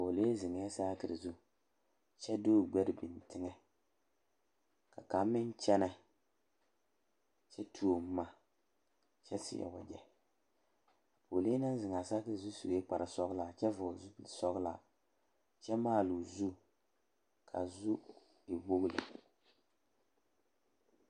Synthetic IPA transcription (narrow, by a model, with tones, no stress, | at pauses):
po˨le˦zɪ˨ŋ˨˦ɛ˦saː˦kɨ˨ɾɨ˨zu˦ | t͡ʃɛ˦doː˦˨ɡ͡bɛ˦ɾɪ˨bɪ˨n˨tɪ˦ŋɛ˦ | ka˨ka˨˦mɪ˦n˦t͡ʃɛ˦nɛ˦ | t͡ʃɛ˦tʰu˦o˨mː˦a˦˨ | t͡ʃɛ˦sɪ̰˨jɛ̰˨ba˨d͡ʒɛ˨ | po˨le˦na˦n˦zɪ˨ŋa˨sa˦kɨ˦zu˦su˨jɛ˦k͡pa˨ɾʔa˨sɔ˦ɣla˨t͡ʃɛ˦vʊ˨zu˦blsɔ˦ɣla̰˨ | t͡ʃɛ˦maː˦˨lu˨zu˦ | kʰa̰˨zu˦ | ɪ˨bo˦ɣlɨ̰˨